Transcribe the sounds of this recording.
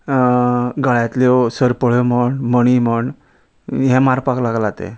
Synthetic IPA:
ɡaɭat̪lesəɾpəɭom̤əɳməɽ̃im̤əɳ | ɦɛ̃maɾpaklaɡlat̪ḛ

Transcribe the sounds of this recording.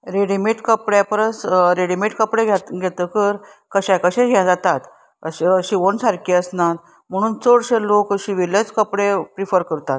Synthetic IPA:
ɾeɽimeʈkəpɽjapəɾəsɾeɽimeʈkəpɽeɡʱat̪ɡʱɛt̪əkəɾ | kəɕãkəɕẽɡʱjãd͡zat̪at̪ | əɕəɕiʋonsaɾkiəsnat̪ | m̤əɽ̃uːnt͡səɽɕelokəɕiʋilet͡skəpɽepɾifəɾkəɾt̪at̪

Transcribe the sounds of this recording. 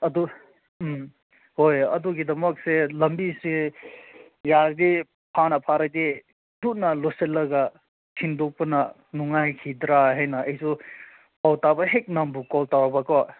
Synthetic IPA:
ɐdu | m | hojɐ̰duɡidɐmɐk̚selɐmbise | jaɾd̪i | pʰanɐpʰaɾad̪i | duk̚nɐloselːɐɡa | tʰindok̚pɐnɐ | nuŋajkʰid̪ɾaɦejnɐɐjsu | pawtabɐɦek̚nambukɔltawabakwa

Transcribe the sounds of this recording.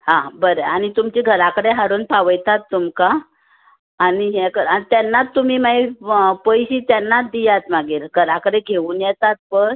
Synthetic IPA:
hãbəɾəañit̪umt͡ɕiɡʱəɾakəɽeɦaɽuːnpaʋəjt̪at̪ːumkaː | niɦɛkəɾait̪janːat̪ːum̤iːmaipəjɕit̪janːat̪d̪ijat̪maɡiːɾɡʱəɾakəɽeɡʱeʋuːnjɛt̪at̪̚pəɾ

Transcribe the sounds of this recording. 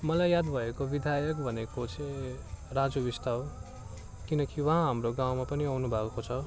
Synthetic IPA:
mʌlajad̪bʱʌekobid̪ʱajʌk̚bʱʌnekot͡sʰerad͡zobist̪aw | kinʌkiwʌ̃ɦãɦamroɡaw̃mapʌniawnubʱakot͡sʰʌ

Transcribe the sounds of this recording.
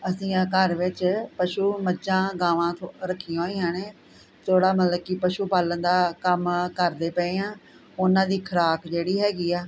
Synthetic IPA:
əsĩːkəɾʋɪt͡ʃpəʃuːməd͡ʒãːɡãːʋãːt̪ʰoɾəkʰːijãõːiːãːneː | t̪ʰoːɽaːmət̪ləb̚kɪpəʃuːpaːlənd̪aːkəmkəɾd̪eːpɛːeːãː | ʊnãːd̪iːkʰəɾaːkd͡ʒeːɽiːɦɛːɡiːaː

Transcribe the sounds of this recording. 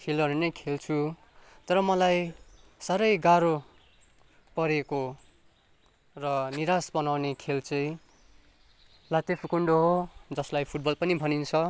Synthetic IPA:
kʰelʌɾenʌjkʰelt͡sʰu | t̪ʌɾʌmʌlajsaɾʌjɡaɾo | pʌɾeko | rʌniɾasbʌnawnekʰelt͡sʌj̃ | lat̪epʰukuɳɖoɦod͡zʌslajpʰuʈ̚bʌlpʌnibʱʌnint͡sʰʌ

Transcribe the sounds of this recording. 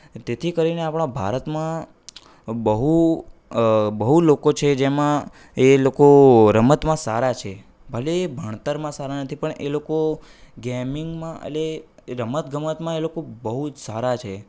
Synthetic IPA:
t̪et̪ʰikəɾineapɳ̃ãbʱa̰ɾət̪mã | bəɦu | bəɦulokot͡ʃʰed͡ʒemã | elokoɾəmət̪mãsaɾat͡ʃʰe | bʱəleːbʱəɳ̃t̪əɾmãsaɾanət̪ʰipəɳʔḛloko | ɡɛmiŋɡmãə̰le | ɾəmət̪ɡʱəmət̪mãelokobəɦud͡ʒsaɾat͡ʃʰe

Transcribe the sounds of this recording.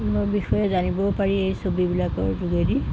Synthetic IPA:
mobixɔjɛzanibɔpaɹiejsobibilakɔɹzuɡedi

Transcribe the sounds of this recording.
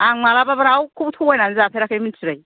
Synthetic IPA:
aŋmalababaɾawkʰubtʰɔŋɔjnanzapʰeɾakʰajminsʰiɾaj

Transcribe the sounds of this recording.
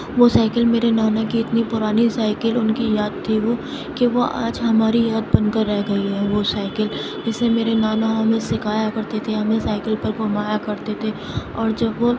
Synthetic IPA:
ʋosaːɪkəlmeːɾenaːnakiɪt̪nipʊɾaːnisaːɪkəlʊnkijaːd̪̚t̪ʰiʋo | keʋoʔa̰ːd͡ʒɦɐmaːɾijaːd̪̚bɐ̃nkəɾːɛɦɡɐiɦɛʋosaːɪkəl | d͡ʒɛːsmemeːɾenaːnaɦɐmẽsɪkaːjakɐɾt̪et̪ʰeɦɐmẽsaːɪkəlpɐɾpʊɾmaːjakɐɾt̪et̪ʰe | ɔːɾd͡ʒɐbʋo

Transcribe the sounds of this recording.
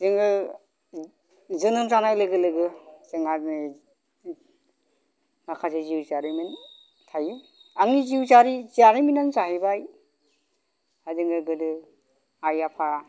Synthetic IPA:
zɯŋɯ | zɯnɯmzanajlɯɡɯlɯɡɯzɯŋani | ŋakʰazeziwzaɾimin | tʰaje | aŋniziwzaɾizaɾiminanzaɦibaj | adɯŋɯɡɯdɯ | ajapʰa

